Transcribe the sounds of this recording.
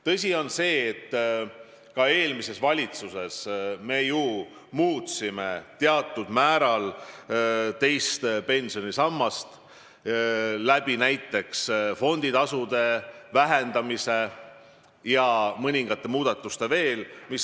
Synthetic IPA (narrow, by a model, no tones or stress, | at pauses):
t̪ɤs̬ʲio̞nse̞ːt̪ː | kɑe̞ːlmise̞svɑlʲit̪suse̞sme̞ju | muːt̪sime̞t̪eɑt̪ːˑud̪̥mæːɾɑl | t̪e̞jst̪pe̞nʲsio̞nisɑmːɑst̪ | læb̥inæjt̪ːˑe̞ksfo̞nd̪̥it̪ɑsud̪e̞væɦend̪̥ɑmise̞ | jɑmɤnʲiŋɡ̥ɑt̪ːˑe̞muːd̪̥ɑt̪ːˑust̪e̞ve̞ːlmis